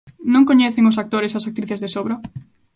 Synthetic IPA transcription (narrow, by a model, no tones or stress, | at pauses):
nõŋkoɲɛθɪŋʊsak̚t̪oɾɪsɐsak̚t̪ɾiθezðesoβɾo